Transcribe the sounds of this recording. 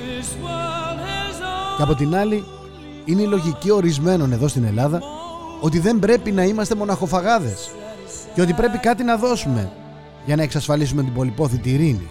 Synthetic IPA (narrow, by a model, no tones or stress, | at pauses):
ceɐpo̞t̪inɐli | ineilo̞ʝicio̞ɾizme̞no̞ne̞ðo̞st̪ine̞lɐðɐo̞t̪iðe̞mbɾe̞pinɐimɐst̪e̞mo̞nɐxo̞fɐɣɐðe̞s | ceo̞t̪ipɾe̞pikɐt̪inɐðo̞sume̞̰ | ʝɐnɐe̞ksɐsfɐlisumet̪ibo̞lipo̞θit̪iːɾinḭ